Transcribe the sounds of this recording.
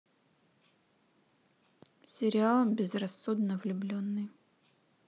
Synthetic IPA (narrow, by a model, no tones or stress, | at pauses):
sʲɪɾʲɪalˠbʲɪzrɐsːud̪nəvlʲʊblʲonːɨj